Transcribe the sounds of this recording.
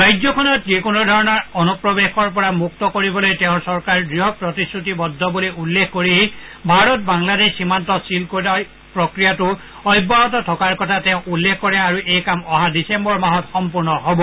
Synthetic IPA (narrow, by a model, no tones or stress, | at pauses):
ɹajd͡ʒzɔkʰɔnɔt̚zekunɔdʱɔɹɔnɔɹɔnupɹɔbexɔɹp̬ɔɹamuk̚tɔkoɹibɔlojteʊ̃sɔɹkaɹɡɹiɦɔpɹɔtisɹutibɔdʱːɔbuliulːekkoɹiɦi | bʱaɹɔt̚baŋladeʃximantɔsilkotaj | pɹɔkɹijatʊ | ɔjbɔɦɔtɔtʰɔkaɹkɔtʰatɛʊ̃ʔulːekʰkɔɹɛ̃aɹuʔejkamɔɦadisembɔɹmaɦɔtxɔmpuɹnɔɦɔbɔ